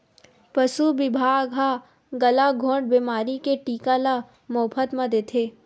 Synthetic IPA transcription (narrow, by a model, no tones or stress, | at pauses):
pɐsubɪbʱaːɡʱa | ɡɐlaɡʱõːɖ̚biːmaːɾikeʈiːkala | moːpʰət̪mɐd̪et̪ʰeː